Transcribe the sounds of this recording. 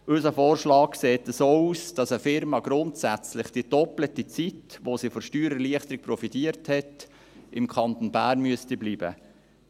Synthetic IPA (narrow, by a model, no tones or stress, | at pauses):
ʔʏsəfoːrʃlɑːkseːtəsoːuːsd̥ɑsəfɪɾmɑɡɾʊntsæt͡slɪχd̥iəd̥ɔplətit͡sitʋosifɔɾʃtyːɾəɾliəχt̪əɾɪk̚pɾɔfitiəɾthɛt | ɪmkχɑnt̪onbæːrnmyəstibliːbə̰